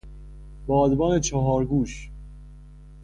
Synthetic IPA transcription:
bɒːd̪bɒːnet͡ʃʰɒɦɒːɾɡuːʃ

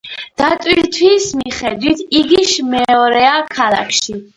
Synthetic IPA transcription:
d̪̥at̪ʼwiɾt̪ʰwismiχɛd̪wit̪ʰiɡiʃmɛɔɾɛakʰalˠa̰kʰʃi

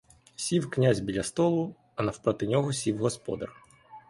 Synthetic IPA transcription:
sʲiwknʲazʲbʲilʲɐst̪ɔlˠʊ | ɐnɐwpɾɔt̪ɪnʲɔɦɔsʲiwɦɔspɔ̰d̪ɐ̰r

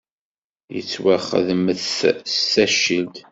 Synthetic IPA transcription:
jə̰t͡sːwaχə̰ðməθstæʃild̪

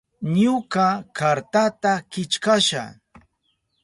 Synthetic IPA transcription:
ɲʊkakaɾt̪at̪akɪt͡ʃkaʃa̰

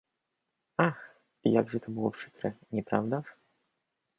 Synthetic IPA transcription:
ax | ja̰ɡʐɛt̪ʰɐbɨlˠɔpʂɨkɾɛ̰nʲɛpɾawd̪aʂ

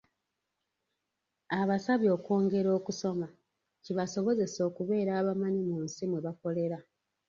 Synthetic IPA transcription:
aβasaβjo̞ːko̞ːŋɡe̞ɾo̞ːkuso̞ma | ciβaso̞βo̞ze̞so̞ːkuβe̞ːɾaːβamaɲimunsimweβako̞le̞ɾa

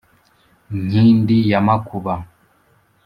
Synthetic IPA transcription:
ŋŋ̥indijamakuβa

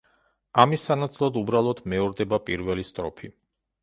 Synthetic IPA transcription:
amisːanat̪sʼlˠɔd̪ubɾalˠɔd̪mɛɔɾd̪ɛbapʼiɾvɛlist̪ʼɾɔpʰi

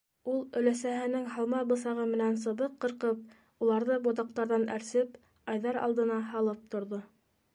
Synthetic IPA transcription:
ulˠɵ̆læsæɦɘ̆nɘŋɦɑlˠmɑbɤ̆sɑʁɤmɘ̆næns̬ɤ̆βɤqːɤ̆ɾqɤp̚ | ulˠɑɾðɤbot̪̬ɑq̚t̪ɑɾðɑnæ̰ɾsɘp | ɑjðɑɾɑ̰lˠd̪ɤ̆nɑɦɑlˠɤp̚t̪ŏɾðo

